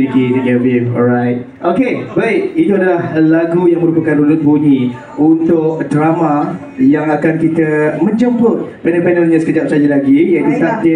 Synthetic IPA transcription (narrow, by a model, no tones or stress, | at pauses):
ikidiɡɛvifɔ̰ɾaɪt̚ | ʔokebaɪk̚it̪uadalahlaɡujaŋmə̃ɾupakanɾulut̚buɲĩ | unt̪ʊkdɾamã | jaŋakankit̪əmə̃ɲd͡ʒəmpʊt̪̚pɛnə̃npɛnəlɲãsə̥kəd͡ʒap̚sad͡ʒalaɡijait̪ut̪ap̚di